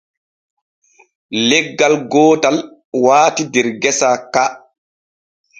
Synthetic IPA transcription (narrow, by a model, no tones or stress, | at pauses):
lɛɡːalɡɔːtal | waːtidɛɾɡɛsaka